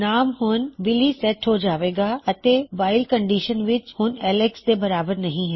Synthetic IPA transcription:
naːmɦʊnʋɪlisɛʈɦod͡ʒaːʋeːɡaɐt̪eʋaːɪlkə̃ɳɖiːʃənʋɪt͡ʃhʊnɛːleksd̪ebɐɾaːbəɾnɐɦĩɦɛː

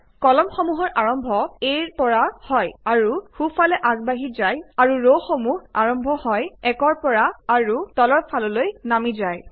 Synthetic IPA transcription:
kɔlɔmxɔmuɦɔɹʔaɹɔmbʱɔeɹpɔɹahɔjaɹuxupʰalɛʔaɡ̚baɦizajaɹuɹoxɔmuɦaɹɔmbʱɔhɔjɛkɔɹpɔɹaaɹutɔlɔɹpʰalɔlojnamizaj

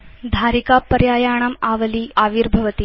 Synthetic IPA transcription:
d̪ʱaːɾikapːɐɾjaːjaːɳ̃ɐmaːʋəliːʔaːʋiːɾbʱɐʋət̪i

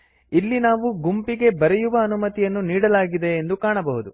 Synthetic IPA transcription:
ilːinaːʋuɡumpiɡe̞bɐɾejuʋɐːnumɐt̪ijɐnːuniːɽɐlaːɡid̪e̞ːnd̪ukaːɳɐbɐɦud̪u

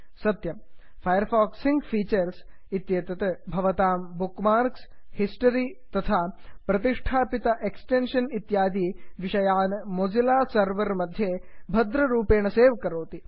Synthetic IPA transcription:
sɐt̪jɐm | fʰɐjəɾfaːksiŋɡfiːt͡ʃɐɾs | it̪jeːt̪ɐt̪ɐbʱɐʋɐt̪aːmbukmaːɾkshisʈɐɾiːt̪ɐt̪ʰaːpɾɐt̪iʂʈʰaːpit̪ɐʔeksʈenʃɐnit̪jaːd̪iːʋiʃɐjaːnmod͡ʒilaːsɐɾʋɐɾmɐd̪ʱjebʱɐd̪ɾɐɾuːpeːɳɐseːʋkɐɾoːt̪i

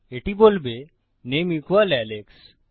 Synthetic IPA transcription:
eʈibolbe | nemikʰʋalɛleks

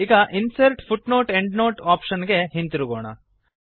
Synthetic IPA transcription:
iɡɐʔinsɐɾʈpʰuʈnoːʈeɳɖnoːʈaːpʃɐnɡe̞ɦint̪iɾuɡoːɳɐ̰

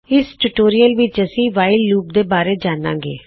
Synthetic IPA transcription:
ɪsʈuʈoːɾijəlʋɪt͡ʃəsĩːʋaːɪlːuːp̚d̪eːbaːɾeːd͡ʒaːnã̰ːɡḛː

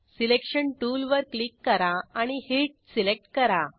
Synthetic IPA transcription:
silekɕəɳʈulʋəɾklikːəɾaaɽ̃ihiʈ̚silek̚ʈkəɾa

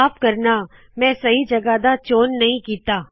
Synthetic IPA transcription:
pkɐɾna | mɛ̃ːsɐɦid͡ʒɐɡad̪at͡ʃoːnːɐɦĩkiːt̪aː

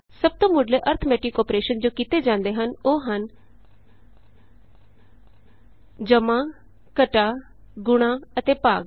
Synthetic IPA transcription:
səb̚t̪õːmʊɖleːʔəɾt̪ʰmɛːʈɪkɔːpɾeːʃənd͡ʒoːkiːt̪eːd͡ʒãːnd̪eːɦənoːɦən | d͡ʒəmãː | kəʈaː | ɡʊɽ̃ãːət̪eːpaːɡ

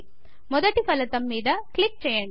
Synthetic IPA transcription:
mɔðɐʈːipɐlɐt̪ːɐmːiːðɐkɭɪk̚t͡ʃɛjɐɳ

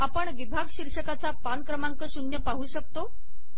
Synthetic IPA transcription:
apəɳʋibʱaɡɕiɾʂəkat͡sapankɾəmaŋkəɕunjəpaɦuːɕək̚t̪o

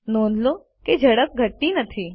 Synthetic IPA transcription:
noːnlo | ked͡ʒʱəɽək̚ɡʱəʈːinɐt̪ʰiː

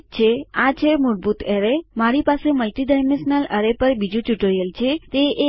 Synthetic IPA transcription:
t͡ʃʰeat͡ʃʰemʊɾbut̪eɾemaɾipaseməlʈiɖajmẽnsnələɾepəɾbid͡ʒũt͡ʃuʈoɾjəlt͡ʃʰet̪eʔe

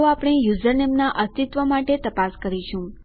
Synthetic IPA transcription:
oapɽ̃ejuzəɾnemnaʔəst̪it̪ʋəmaʈet̪əpaskəɾiʃũ

